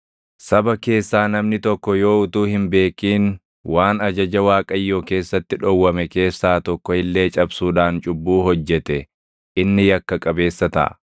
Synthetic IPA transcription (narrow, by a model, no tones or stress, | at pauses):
sɐbɐke̞ːsːaːnɐmnɪt̪ɔkːɔjo̞ːʊt̪uːhɪmbe̞ːkːiːn | waːnɐd͡ʒɐd͡ʒɐwaːkʼɐjːoːke̞ːsːɐt̪ːɪᶑɔwːɐmɛke̞ːsːaːt̪ɔkːɔɪlːe̞ːt͡ʃʼɐbsuːᶑaːnt͡ʃʼʊbːuːɦɔd͡ʒːɛt̪ɛ | ʔɪnːɪjɐkːɐkʼɐbe̞ːsːɐt̪ɐ̰ʔɐ̰